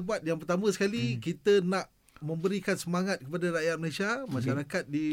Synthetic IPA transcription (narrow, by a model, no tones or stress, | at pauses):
əbat̪̚jaŋpərt̪amə̃sə̥kalikit̪ənãʔ | mə̃mbəɾikansəmaŋat̪̚kəpadaɾajat̪̚məlesamãʃaɾakat̪̚di